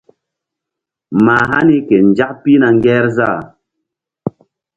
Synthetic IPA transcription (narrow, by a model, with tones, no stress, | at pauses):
ma˨ɦa˦ni˦ke˨n˨d͡ʒa˦k̚pi˦na˨ŋ˦ɡɛ˦ɾza˦˨